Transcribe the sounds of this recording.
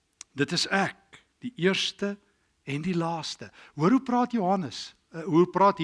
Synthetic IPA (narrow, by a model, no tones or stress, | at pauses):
dətəsæk̚ | d̥iʔiərstə | ɛndilɑːstəɦuəɾuprɑːtjoɦɐnəs | ɦuprɑːtɦ